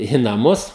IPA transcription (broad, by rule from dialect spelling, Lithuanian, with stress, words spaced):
iː nɐˈmʊs